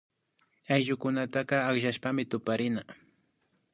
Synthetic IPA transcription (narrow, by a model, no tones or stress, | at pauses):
ajʒʊkʊnat̪ɑqɑːχʃaʃpamɪt̪ʊpaɾɪna